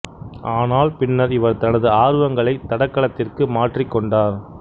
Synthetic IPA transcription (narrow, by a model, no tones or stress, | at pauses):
ʔaːnaːlpɪnːɐɾɪʋɐɾt̪ɐnɐðɯaːɾɯʋɐŋɡɐɭɐɪt̪ɐɽɐkːɐɭɐt̪ːɪrkɯmaːʈrɪkːɔɳɖaːɾ